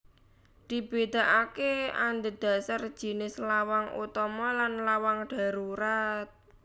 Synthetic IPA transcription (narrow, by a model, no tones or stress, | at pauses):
d̪̥i̤b̥ed̪̥a̤ʔakea̰nd̪əd̪̥a̤sar̥d͡ʒ̥i̤nɪslawaŋṵt̪ɔmɔlanlawaŋɖ̥a̤ɾuɾat̪̚